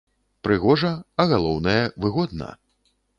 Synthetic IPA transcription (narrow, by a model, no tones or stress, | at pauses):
pɾɨɣɔʐɐɐɣalˠɔwnɐjɐvɨɣɔd̪̚nɐ̰